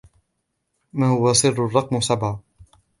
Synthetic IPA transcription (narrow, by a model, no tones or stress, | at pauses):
maːhʊwasˤɨrːʊrˤːɑqmsabʕa